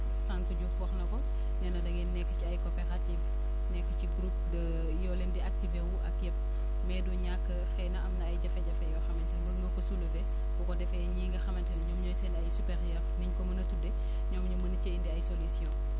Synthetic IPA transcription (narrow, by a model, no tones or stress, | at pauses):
sãŋkuɟufɔxnɐkɔ | nɛːnɐdɐɡɛnnɛkːət͡ʃiɐjkopɛɾativ | nɛkːə̥t͡ʃiɡɾup̚də | jɔlɛndiak̚tivewuʔɐkjɛp̚ | mɛduɲakːəxɛnɐɐmnɐɐjɟɐfɛɟɐfɛjɔxɐmɛntɛlɡɐŋɡɐkɔsulubɛ | bukɔdɛfɛɲɛŋɡɐxɐmɛntɛlɲɔmɲɔjsɛnɐjsupɛɾjɛrniɲkɔmɐnɐtːudɛ | ɲɔːmɲumənət͡ʃɐindiɐjsolusjɔ̃